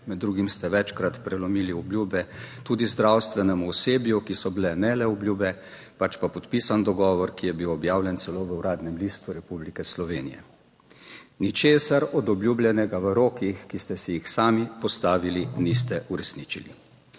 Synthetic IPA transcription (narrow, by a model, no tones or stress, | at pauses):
mɛd̪ːɾuːɡimst̪ɛʋɛt͡ʃkɾat̪pɾɛlɔmiːliɔblʲjuːbɛt̪uːd̪izd̪ɾawst̪ʋɛnɛmuɔseːbjukisɔbilɛnɛlɛɔblʲjuːbɛ | pat͡ʃpapɔt̪pisand̪ɔɡɔːʋɔɾkijɛbiwɔbjaːwlʲjɛnt̪sɛloːʋəuɾaːd̪nɛmliːst̪uɾɛpublikɛslɔʋeːnḭjɛ̰ | nit͡ʃeːsaɾɔd̪ɔbljuːblʲjɛnɛɡaʋəɾoːkixkist̪ɛsijixsaːmipɔst̪aːʋilinist̪ɛʔuɾɛsnit͡ʃilḭ